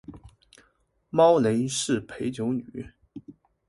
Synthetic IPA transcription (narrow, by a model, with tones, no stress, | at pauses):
mɑ˥ʊle˧˥ɪʂɻ̩˥˩pʰe˧˥ɪt͡ɕjo˧˥ʊny̰˨˩˦